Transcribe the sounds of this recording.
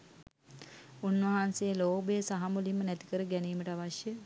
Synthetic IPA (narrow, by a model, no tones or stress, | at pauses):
unʋɐɦansejəloːbəjəsaɦamulimːənæt̪i̥kəɾəɡæniːməʈəaʋaʃjə